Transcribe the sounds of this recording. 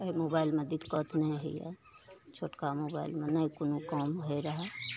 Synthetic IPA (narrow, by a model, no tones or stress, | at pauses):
əimobaːɪlmẽd̪it̪kət̪ʰnəɦḭjɛ̰ | t͡ʃʰoːʈkamobaːɪlmenəjkonũkɔmɦoeɾəɦɛ